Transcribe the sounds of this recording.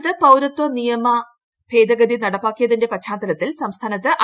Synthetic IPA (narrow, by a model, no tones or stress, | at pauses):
t̪ɨpɐwɾɐt̪wɐnijɐmɐ | pʰe̞ːd̪ɐɡɐd̪inɐɽɐpːaːkːijɐðinde̞pɐt͡ɕʰaːnt̪ːɐlɐt̪ːilsɐmst̪ʰaːnɐt̪ːɨʔɐ